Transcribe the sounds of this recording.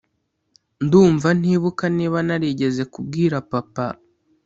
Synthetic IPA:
nduːɱvan̥iːβukaniːβanaɾiɟe̞ze̞kub̚ɡiːɾapapa

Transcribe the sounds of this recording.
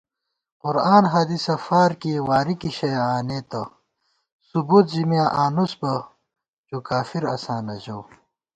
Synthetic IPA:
qʊɾaːnɦɐd̪isɐfaːɾkiwaːɾikiɕɐjaːneːt̪ɐ | subuːt̪zimjaːʔaːnusbɐ | d͡ʑuːkaːfiɾɐsaːnɐʑɐw

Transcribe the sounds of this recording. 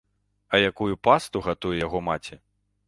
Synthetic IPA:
ɐjakujupast̪uɣat̪ujɛjaɣɔmat͡sʲi

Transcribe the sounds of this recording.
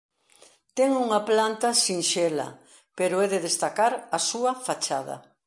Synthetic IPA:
t̪ɛŋuŋaplant̪asiŋʃɛlɐ̰ | peɾʊɛðeðest̪akaɾɐsuɐfat͡ʃað̞ɐ̰

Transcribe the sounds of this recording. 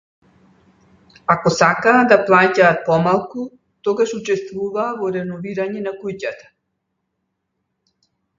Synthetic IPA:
akɔsakaːd̪aplˠacaːt̪̚pɔmalˠku | t̪ɔɡaʃut͡ʃɛst̪vuvaːvɔɾɛnɔviɾaɲɛnakujcat̪ḁ

